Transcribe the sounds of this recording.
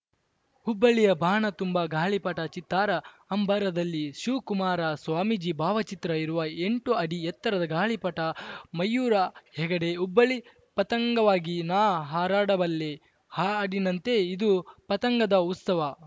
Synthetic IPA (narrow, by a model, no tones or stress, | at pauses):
ubːɐɭijɐbʱaːɳɐt̪umbɐɡaːɭipɐʈɐt͡ʃit̪ːaːɾɐ | ɐmbʱɐɾɐd̪ɐlːiʃukumaːɾɐsʋaːmid͡ʒibʱaːʋɐt͡ʃit̪ɾɐiɾuʋɐeɳʈuɐɽijɛt̪ːɐɾɐd̪ɐɡaːɭipɐʈɐmɐjːuːɾɐhɛɡɐɽe̞ubːɐɭi | pɐt̪ɐŋɡɐʋaːɡinaːɦaːɾaːɽɐbɐlːe | haːɽinɐnt̪e̞id̪upɐt̪ɐŋɡɐd̪ɐut̪sɐʋɐ